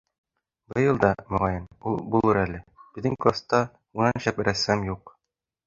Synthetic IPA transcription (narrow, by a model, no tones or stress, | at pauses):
bɤ̆jɤlˠd̪ɑmŏʁɑjɤnulˠbulˠɤɾælɘb̥ɘ̆ðɘŋkˠost̪ɑ | unɑnɕæpɘ̆ɾæsæmjuq